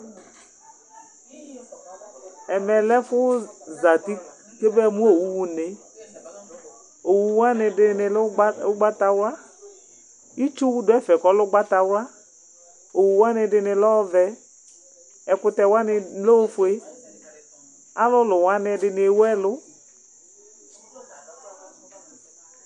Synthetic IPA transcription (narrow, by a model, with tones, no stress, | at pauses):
ɛ˨mɛ˨lɛ˦fʊ˦za˨t̪i˦ | ke˦be˦˨mũ˦o˨wu˦wu˦ne˨ | o˨wu˨wa˦nɪ˨ɪ˦nɪ˨˦ɡ͡ba˦t̪a˧wa˦ | i˦t͡ʃu˦wu˦dʊ˦ɛ˦fɛ˨kɔ˨lʊ˦ɡ͡ba˦t̪a˨wa˦ | o˨wu˨wa˦nɪ˧dɪ˨˧nɪ˨lɔ˦vɛ˨ | ɛ˨kʊ˦t̪ɛ˨wa˦nɪ˧lo˦fʊ˨e˦ | a˦lʊ˦lʊ˨wa˦nɪ˨dɪ˨nɪ˨wɛ˦lʊ˦